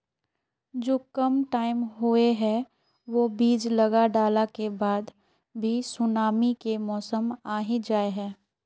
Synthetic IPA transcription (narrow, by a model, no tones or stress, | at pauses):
d͡ʒoːkəmʈaːɪmɦueɦɛ | ʋoːbiːd͡ʒləɡaɖaːlakebaːd̪ | bʱisʊnaːmikemɔːsəmaːɦid͡ʒaːeɦɛː